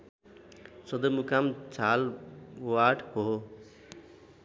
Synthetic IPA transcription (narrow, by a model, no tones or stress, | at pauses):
sʌd̪ʌmukamt͡sʰalwaʈho